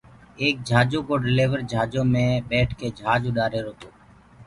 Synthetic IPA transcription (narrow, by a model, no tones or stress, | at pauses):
eːk̚d͡ʒʱaːd͡ʒoːkoːɖɪleːʋəɾd͡ʒʱaːd͡ʒõːmẽːɓeːʈʰkeːd͡ʒʱaːd͡ʒoːɗaːɾeːɾoːt̪oː